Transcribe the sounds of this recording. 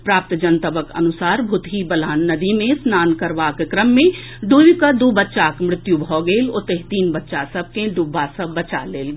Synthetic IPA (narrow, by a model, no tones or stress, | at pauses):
pɾaːp̚t̪d͡ʒənt̪əbəkɐ̰nʊsaːɾbʱʊt̪ɦibɐlaːnːɐd̪imẽsnaːnkəɾʋaːkkɾəmːẽ | ɖuːikad̪ubətːʃaːkmɾɪt̪jubʱɔːɡeːlot̪eɦt̪iːnbɐtːʃasɐb̚ʱkẽɖubasəbːət͡ʃaleːlɡ